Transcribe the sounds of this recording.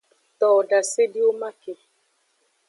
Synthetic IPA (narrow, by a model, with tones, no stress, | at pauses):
t̪ɔ˨da˨se˦di˦o˦ma˦ke˨